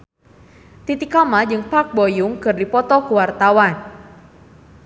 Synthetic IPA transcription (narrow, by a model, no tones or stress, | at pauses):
t̪it̪ikamad͡ʒɨŋpak̚bɔjʊŋkɨrdipɔt̪ɔkuwart̪awan